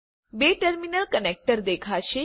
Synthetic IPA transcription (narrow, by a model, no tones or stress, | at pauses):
beːʈəɾminəlkənek̚ʈəɾd̪eːkʰaʃe